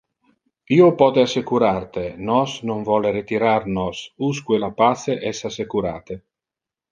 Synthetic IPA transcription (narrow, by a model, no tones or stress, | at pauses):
iːopɔːt̪easekuɾart̪enɔsnoɱvɔleɾet̪iɾarnɔsuskwelapaseʔɛsasːekuɾa̰ːt̪e